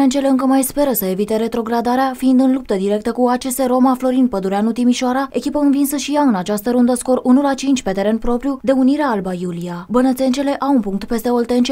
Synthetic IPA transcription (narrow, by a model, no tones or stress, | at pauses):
ent͡ʃe̞le̞ɨŋkəmajspe̞ɾəsəe̞vit̪e̞ɾe̞t̪ɾo̞ɡɾad̪aɾeafiːnd̪ɨnlup̚t̪əd̪iɾe̞k̚t̪əkuat͡ʃe̞se̞ɾo̞maflo̞ɾinpəd̪uɾeanut̪imiʃoaɾae̞kʲipəɨnvinsəʃijaɨnat͡ʃast̪əɾund̪əsko̞ɾunulat͡ʃint͡ʃʲpe̞t̪e̞ɾe̞npɾo̞pɾjud̪e̞uniɾeaalbajuliabənət̪se̞nt͡ʃe̞le̞ʔawunpuŋk̚t̪pe̞st̪e̞o̞lt̪e̞nt͡ʃ